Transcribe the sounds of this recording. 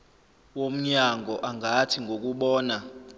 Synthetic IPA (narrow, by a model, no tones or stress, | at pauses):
wom̩ɲaŋʱɔʔaŋʱatʰiŋɡʱok̬uɓɔːna